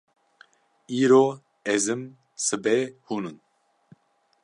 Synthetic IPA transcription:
iːɾoː | ɛzɨm | sɨbɛhuːnɨn

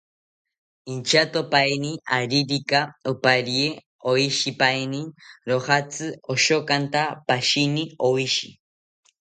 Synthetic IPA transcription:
int͡ʃat̪opajniaɾiɾikaupaɾie | oiʃipajniɾoχat͡sʰɨoʃokant̪apaʃiniowiʃḭ

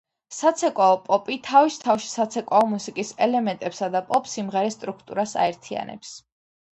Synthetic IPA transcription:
sat̪sʰɛkʼwaɔpʼɔpʼit̪ʰavist̪ʰafʃi̥sat̪sʰɛkʼaɔmusikʼisɛlɛmɛnt̪ʼɛpsad̪apʼɔpʰʼsimʁɛɾɛst̪ʼɾukʰt̪ʼṵɾasa̰ɛɾt̪ʰia̰nʔɛ̰ps

